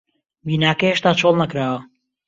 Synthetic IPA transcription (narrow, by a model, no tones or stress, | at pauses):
biːnaːkɐjheʃt̪aːt͡ʃʰolˠnɐkɾaːwɐ